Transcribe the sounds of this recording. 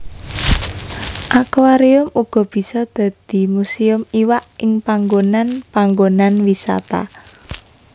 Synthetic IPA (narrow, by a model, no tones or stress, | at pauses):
ʔakwaɾiʊmuɡ̥ɔ̤b̥i̤sɔd̪̥ä̤d̪̥i̤musiʊmiwaʔɪŋpaŋɡonanpaŋɡonanwisa̰t̪a̰